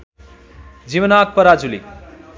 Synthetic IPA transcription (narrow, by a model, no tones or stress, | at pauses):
d͡ziwʌnak̚pʌɾad͡zulḭ